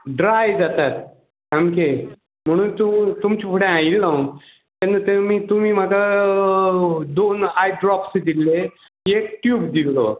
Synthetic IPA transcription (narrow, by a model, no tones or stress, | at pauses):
ɖɾajd͡zat̪at̪ | amke | m̤əɽ̃uːnt̪ut̪umt͡ɕifʰoɽẽailːãw | t̪anət̪emiːt̪um̤iːm̤aka | d̪onajɖɾɔpsd̪ilːe | ek̚ʈjuːbd̪ilːo